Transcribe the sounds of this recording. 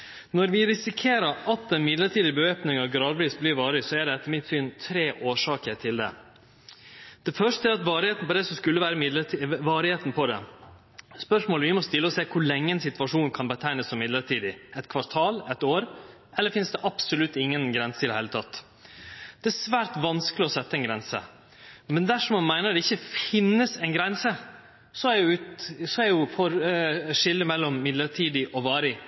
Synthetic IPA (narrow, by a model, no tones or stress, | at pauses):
nɔɾʋɪɾɪsɪkʰeːɾəɾɑt̪̚ɛnmɪd̪ləʈiːd̪ɪbəøːpnɪŋɑʋɡɾɑːd̪ʋiːsblɪɾʋɑːɾɪsɔæɖɛɛt̪ːəɾmɪt̪syːnt̪ʰɾeːʔoːʂɑːkəɾʈʰɪld̪ɛ̰ | d̪̥ɛfœʂtəɛɾɑt̪ʋɑːɾɪheːt̪nəpɔd̪ɛsɔskʉlːəʋæːɾəmɪd̪ləʋɑːɾɪheːt̪n̩pʰɔd̪ɛ̰ | spœʂmoːləʋɪmɔst̪ɪlːəɔseːkʰʊɾɭɛŋːənsɪt̪ʋɑʂuːnkʰɑnbət̪ʰæɪnəssɔmːɪd̪ləʈʰiːd̪ɪɛt̪kʰʋɑɾt̪ʰɑːlɛt̪oːɾɛlːəɾfɪnsd̪ɛʔɑpsʊlʉt̪ːɪŋːənɡɾɛnsə̥t̪ɪd̪əheɪlət̪ʰɑt̪ː | d̪̥ɛæsʋæːɾt̪ʋɑnskəlɪɔsɛt̪ːəɛnɡɾɛnsə̰ | mɛnd̪æʂɔmɑnmæɪnəd̪ɛɪçːəfɪnːəsɛɪnɡɾɛnsə | sɔæɾjʊsɔæɾjʊfɔɾʂɪlːəmɛlːɔmːɪd̪ləɾʈʰiːd̪ɪʔɔʋɑːɾɪ